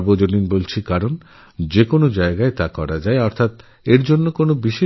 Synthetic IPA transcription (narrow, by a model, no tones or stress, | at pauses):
bod͡ʑoninbolt͡ɕʰikaɾon | d͡ʑekonod͡ʑaeɡaet̪akɔɾad͡ʑaeɔɾt̪ʰat̪ | eɾd͡ʑonːokonobiʃe